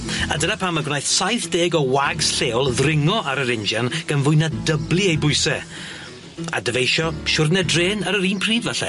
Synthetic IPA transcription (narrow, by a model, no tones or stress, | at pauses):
adənapʰamːaɡwnajθsajθd̥eːɡɔwaɡsɬeːwlˠðrɪŋɔʔaɾəɾɪnd͡ʒanɡ̥anvʊɨnadəblˠɨejbʊɨsɛ | a̰dəvejʃɔʃʊrnɛdreːnaɾəɾiːnpʰriːdvɛɬɛ̰